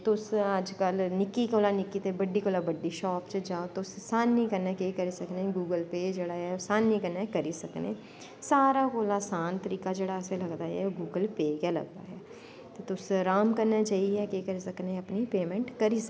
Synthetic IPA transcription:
t̪ʊsəd͡ʒkəlnɪkːikoːlaːnɪkːiːt̪ebəɖiːkoːlabəɖːiːʃɔːpt͡ʃd͡ʒaːot̪ʊssaːnːĩːkəɾnakekəɾiːsəknẽɡuːɡəlpeːd͡ʒeːɽaɛosaːnːĩːkəɾnakəɾiːsəknḛː | saːɾakoːlaːsaːnt̪əɾiːkad͡ʒeːɽaɛseləɡd̪aːɦɛ̰ːoɡuːɡəlpeːkalə̰ɡd̪a̰ːɦɛː | t̪et̪ʊsɾaːmkəɾnat͡ʃaːiɦɛːkekəɾiːsəknẽəpnipeːmɛ̃ɳʈkəɾiːsək

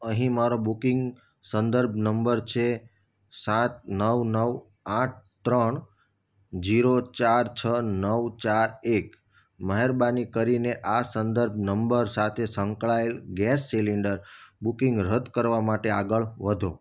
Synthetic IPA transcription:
əɦĩmaɾobukiŋɡ | sənd̪əɾbʱnəmbəɾt͡ʃʰe | sat̪̚nəʋnəʋ | aʈ̚ʰt̪ɾəɳ | d͡ʒiɾot͡ʃaɾt͡ʃʰənəʋt͡ʃaɾek | məɦeɾbanikəɾineʔasənd̪əɾbʱnəmbəɾsat̪ʰesə̃ŋkɭaelɡɛsːiliɳɖəɾbukiŋɡɾəd̪kəɾʋamaʈeaɡəɭʋəd̪ʱo

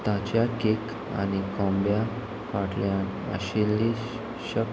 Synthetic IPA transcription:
t̪at͡ɕjakik | a̰nikɔ̃mbja | kaʈljãə̰ɕilːi | ɕək

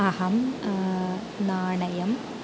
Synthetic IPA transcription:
ɐɦɐm | naːɳɐjɐm

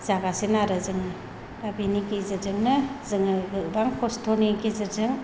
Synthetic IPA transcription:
z̥aɡasenaɾɯzɯŋɯ | dabinikizɯɾzɯŋnɯzɯŋɯɡɯbaŋkʰostʰonikizɯɾzɯŋ

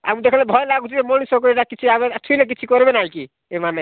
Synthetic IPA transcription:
a̰mud̪ekʰlɛ̃bʱɔjlaɡutʰit̪emoñisɔ̃k̬ɔeʈakit͡ʃʰiaβeat̪ʰulek̬it͡ʃʰikɔɾbenaiki | emane

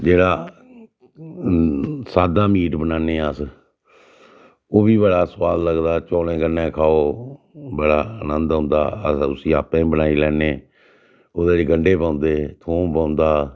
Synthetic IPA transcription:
d͡ʒeːɽaː | saːd̪aːmiːʈbənaːneːəs | oːʋiːbəɽaːswaːlləɡd̪aːt͡ʃoːlẽːɡənːẽːkʰaːoː | bəɽaːənənd̪ɦʊ̃ːnd̪a̰ːəsʊsĩːaːpẽːbənaːiːlɛːneː | oːd̪eːɾeːɡəɳɖeːpãːʊnd̪eːt̪ʰoːmpãːʊ̃nd̪aː

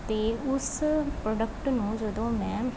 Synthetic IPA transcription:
t̪eːʊspɾɔːɖəkʈnũːd͡ʒəd̪õːmɛ̃ː

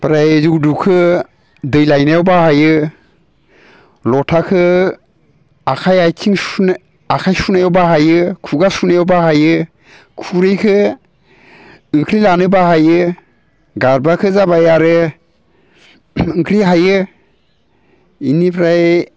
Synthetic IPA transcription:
pɾajzukdukʰɯ | dɯjlajnajɔwbahajɯ | lɔtʰakʰɯ | akʰajajkʰiŋ | akʰajsunajɔwbaɦajɯkʰuɡasunajɔwbaɦajɯ | kʰuɾɯjkʰɯ | ɯŋkʰɾilanɯbaɦajɯ | ɡaɾbakʰɯzabajaɾɯ | ɯŋkʰɾiɦajɯ | inipʰɾaj

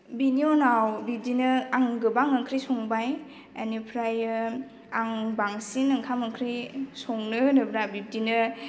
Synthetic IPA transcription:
binionawbib̚dinɯaŋɡɯbaŋɐkʰɾisɔŋbaj | anipʰɾajɯ | aŋbaŋsinɐŋkʰamɐkʰɾisoŋnɯnɯbɾabib̚dinɯ

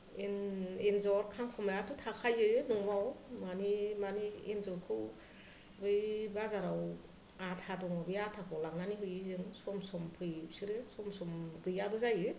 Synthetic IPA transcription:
enenzɔɾkʰaŋkʰɔmajatʰɯtʰakʰajɯnɔŋbawmanimanienzɔɾkʰɯw | bɯjbazaɾaw | atʰadɔŋɯbɯjatʰakʰɔlaŋnaniɦɯjɯzɯŋsɔmsɔmpʰɯjpsɯɾɯsɔmsɔmɡɯjabɯzajɯ

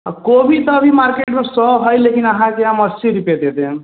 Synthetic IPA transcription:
kobʱit̪ʌːbʱimaɾkeʈmẽsɔɦɔjlekinaɦãkeamʌsiɾiped̪ed̪e

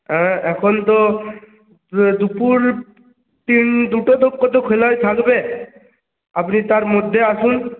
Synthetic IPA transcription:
ɛ̃ɛkʰɔnt̪ɔ | d̪upuɾ | t̪ind̪uʈɔd̪okːɔt̪ɔkʰelajt̪ʰakbe | apnit̪aɾmod̪ʱːeasun

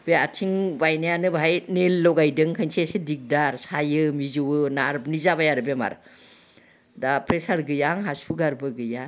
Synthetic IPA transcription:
b̥eatʰiŋbajnajanɯbajnelːɔɡajdɯŋkʰajnsesedik̚daɾsajɯmizɯwɯnaɾb̚nizabajaɾɯbema̰ɾ | dapɾesaɾɡɯjaŋɦasuɡaɾbɯɡɯja

